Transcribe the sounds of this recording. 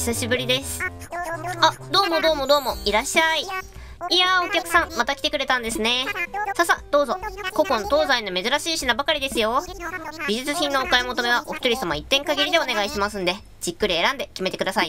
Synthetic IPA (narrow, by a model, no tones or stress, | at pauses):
çi̥saɕibɯ̟ɾʲid̪e̞sɨ̥ | ad̪o̞ːmo̞d̪o̞ːmo̞d̪o̞ːmo̞iɾaɕai | iao̞kʲakɯ̟̥sãmmat̪akʲi̥t̪ekɯ̟ɾe̞t̪ãnd̪e̞sɨne̞sasad̪̥o̞ːzo̞ko̞kõ̞nt̪o̞ːzainːo̞me̞zɨɾaɕiːɕinabakaɾʲid̪e̞sɨjo̞bʲiʑit͡sɨçĩnːo̞okaemo̞t̪ome̞β̞aʔo̞ɸɯ̟t̪oɾʲisamait̪ːẽ̞ŋkaɡʲiɾʲid̪e̞o̞ne̞ɡaiɕimasɨ̃nd̪e̞ | d͡ʑ̥ikːɯɾʲie̞ɾãnd̪e̞kʲime̞t̪e̞kɯd̪asai